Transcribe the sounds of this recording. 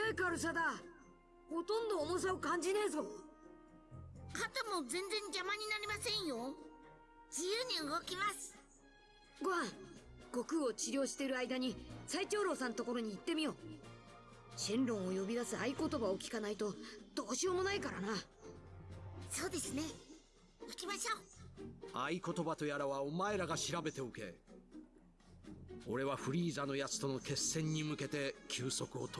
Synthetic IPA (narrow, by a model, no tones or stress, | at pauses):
eːkaɾɯ̟s̬ad̪a | ho̞t̪õ̞nd̪o̞ːmo̞s̬aokãɲ̟d͡ʑineːzo̞ | kat̪amo̞zẽ̞nd͡zẽ̞ŋɡʲamaɲ̟inaɾʲimasẽ̞ɰ̃jo̞ | d͡ʑijɯːɲ̟iɯ̟ɡo̞kʲimasɨ̥ | ɡoãɡ̥o̞kɯ̟o̞t͡ɕiɾʲo̞ːɕi̥t̪e̞ɾɯ̟aid̪aɲ̟isait͡ɕo̞ːɾo̞ːsãnt̪o̞ko̞ɾoɲ̟iːt̪ːe̞mʲijo̞ | ɕĩnɾõ̞ɰ̃o̞jo̞bʲid̪asɨaiko̞t̪o̞bao̞kʲi̥kanait̪o̞d̪̥o̞ːɕioːmo̞naikaɾana | soːd̪e̞sɨne̞ | ikʲimaɕoː | aiko̞t̪o̞bat̪o̞jaɾaβaomae̞ɾaɡaɕiɾabe̞t̪e̞oke̞̰ | o̞ɾe̞βaɸɯ̟ɾʲiːzano̞jat͡sɨ̥t̪o̞no̞ke̞sːẽ̞ɲ̟ːimɯ̟ke̞t̪e̞kʲʰɨːso̞kɯ̟o̞̰t̪